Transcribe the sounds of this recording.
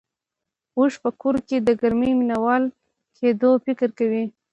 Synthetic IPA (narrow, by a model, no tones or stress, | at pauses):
uʂpəkoɾked̪əɡaɾmijminawɑl | kʰed̪ofɪkɾkawi